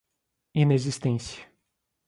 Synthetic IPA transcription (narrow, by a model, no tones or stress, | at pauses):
inezist̪ẽsjɐ